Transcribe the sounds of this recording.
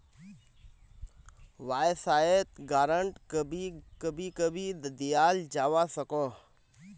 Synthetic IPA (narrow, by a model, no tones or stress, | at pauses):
ʋaːɪsaːet̪ɡaːɾəɳʈbikəbʱikəbʱid̪d̪ijaːld͡ʒaːʋasəkoː